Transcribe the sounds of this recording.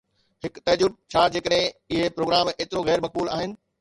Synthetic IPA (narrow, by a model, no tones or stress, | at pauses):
hɪkt̪ɐd͡ʑub̚t͡ɕʰaːd͡ʑeːkəɗɦɪ̃ɪɦepɾoːɡɾaːmeːt̪ɪɾoɣɛːɾmɐk̚buːlaːɦɪnɪ̆